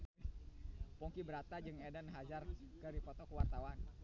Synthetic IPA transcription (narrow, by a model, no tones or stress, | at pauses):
pɔŋkibəɾat̪ad͡ʒəŋedənɦad͡ʒarkəɾipɔt̪ɔkəwart̪awan